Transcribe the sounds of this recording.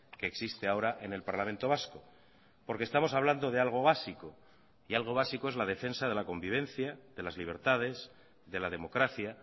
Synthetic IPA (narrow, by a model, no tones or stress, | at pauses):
ke̞ːksist̪eao̞ɾaʔe̞ne̞lpaɾlamẽnt̪o̞β̞asko̞ | po̞ɾkest̪amo̞saβland̪o̞ð̞e̞alɣ̞o̞βasiko̞ | ialɣ̞o̞β̞asikoezlað̞e̞fe̞nsaðe̞lako̞mbiβ̞e̞n̟θjaðe̞lazliβ̞e̞ɾt̪að̞e̞s | ðe̞laðe̞mo̞kɾaθja